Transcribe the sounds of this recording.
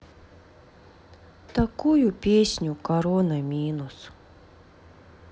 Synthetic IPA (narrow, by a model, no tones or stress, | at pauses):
t̪akujupʲeːɕnʲukaɾɔnamʲiːnus